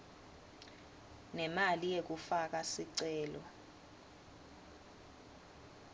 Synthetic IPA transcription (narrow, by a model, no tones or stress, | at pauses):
nɛmalijek̬ufak̬asiǀɛːlɔ